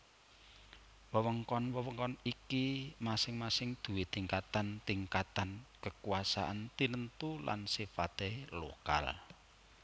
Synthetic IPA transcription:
wəwəŋkɔnwəwəŋkɔnikimasɪŋmasɪŋd̪̥ṳwit̪iŋkat̪ant̪iŋkat̪ankəkuasa̰ʔant̪inənt̪ulʔa̰nsifat̪elo̰ka̰l

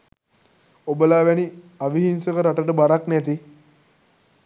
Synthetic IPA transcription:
obəlaːʋæni | aʋiɦinsəkəɾaʈəʈəbaɾaknæt̪i

